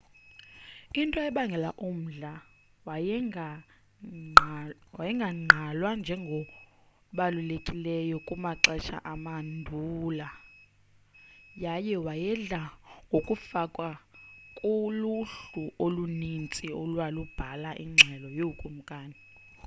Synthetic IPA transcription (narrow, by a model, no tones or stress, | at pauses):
intʼɔɛɓaŋɡʱɛlaʔum̩ɮa | w | wajɛŋɡʱaŋ͡ǀʱalwand͡ʒʱɛŋɡʱɔ | ɓalulekʼilɛjɔkʼumaǀɛʃʰa̰ʔamandʱuːla | jajɛwajɛɮaŋʱokʼufakʼwakʼuluɬuʔolunint͡sʼiolwalub̥ʱalaʔiŋ͡ǁʱɛlɔjoukʼum̩kʼaːni